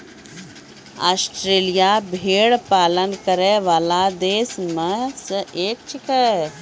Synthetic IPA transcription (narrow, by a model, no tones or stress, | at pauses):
a̰ːsʈɾeːlijabʱeːɽpaːlənkəɾeʋaːlad̪eːsmesəʔeːk̚t͡ʃʰikə